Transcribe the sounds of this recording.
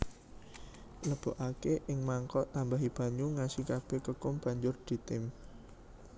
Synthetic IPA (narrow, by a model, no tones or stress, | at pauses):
ləb̥o̤ʔakeʔɪŋmaŋkɔʔt̪ambaɦib̥a̤ɲuŋasikab̥e̤kəkʊmb̥a̤ɲd͡ʒʊrd̪̥i̤t̪ɪm